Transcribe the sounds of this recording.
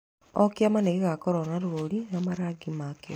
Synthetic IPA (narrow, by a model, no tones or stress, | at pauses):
ɔkjamaneɣeɣakɔɾɔnaɾuoɾinamaɾaɡimake